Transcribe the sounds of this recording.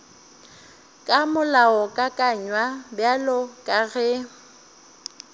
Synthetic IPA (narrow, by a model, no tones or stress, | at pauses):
kʼamʊlaɔkʼakʼaɲwabjalɔkʼaɣɛ